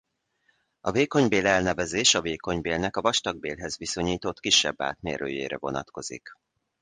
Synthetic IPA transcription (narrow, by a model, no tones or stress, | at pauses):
ɒveːko̞ɲbeːlɛlnɛvɛzeːʃɒveːko̞ɲbeːlnɛkɒvɒʃt̪ɒɡ̚beːlɦɛzviso̞ɲiːt̪o̞t̪kiʃːɛ̰bːa̰ːt̪mḛːrø̰ːjḛːɾɛ̰vo̞̰nɒ̰t̪ko̞zḭk